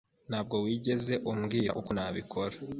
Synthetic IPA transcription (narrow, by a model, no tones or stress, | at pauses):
n̥haːb̚ɡo̞wiːɟe̞ze̞ʔumɡiːɾa̰ʔukonaːβikʰo̞ɾa